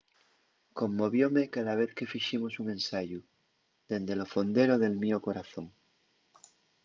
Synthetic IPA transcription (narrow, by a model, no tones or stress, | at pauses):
ko̞mːoβ̞jomekaðaβ̞eθke̞fiʃimosuŋẽ̞nsaʝu | ðe̞nd̪elofond̪eɾoðe̞lmioko̞ɾaθo̞ŋ